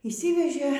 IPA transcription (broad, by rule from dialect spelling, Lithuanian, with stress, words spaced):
iːʃʲˈsʲɪʋʲɛʒʲeː